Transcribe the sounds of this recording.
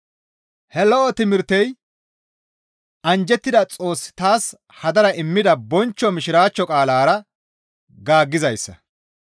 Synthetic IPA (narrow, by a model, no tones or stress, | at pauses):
hɛlɔʔɔt̪ɪmɪɾt̪ːɛj | ɐnd͡ʒɛt̪ːɪd̪ɐt͡sʼo̞ːsːɪ̥t̪aːs | hɐd̪ɐɾɐʔɪmːɪd̪ɐbɔnt͡ʃːɔmɪʃɪɾaːt͡ʃːɔkʼaːlaːɾɐ | ɡaːɡːɪzɐjsːɐ̰